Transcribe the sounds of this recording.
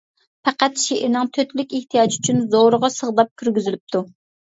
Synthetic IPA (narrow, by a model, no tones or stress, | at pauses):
pʰæqæt̪ʃeʔɪɾnɨŋt̪ʰøt̪lykʲeht̪ʰijɑd͡ʒyt͡ʃʰynzoɾəʁɑsəʁd̪ɑp̚kʲʰyɾɡʲyzylyp̚t̪ʰu